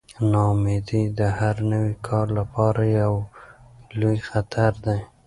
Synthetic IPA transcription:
nɑmed̪id̪əhaɾnəwikʰɑɾlapɑɾajaw | lojxat̪ʰaɾd̪aj

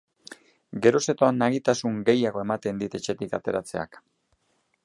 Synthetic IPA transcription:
ɡe̞ɾo̞se̞t̪oanaɣit̪asuŋɡe̞jaɣo̞e̞mat̪e̞nd̪it̪e̞t͡ʃe̞t̪ikat̪e̞ɾat͡se̞a̰k

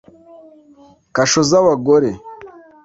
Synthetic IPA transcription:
kaʃozaβaɡoɾe

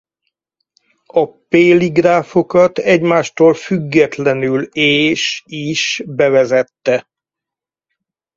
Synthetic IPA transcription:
ɒpeːliɡraːfo̞kɒt̪ɛɟmaːʃt̪oːlfyɡːɛt̪lɛnyleːʃiʃbɛvɛzɛt̪ːɛ

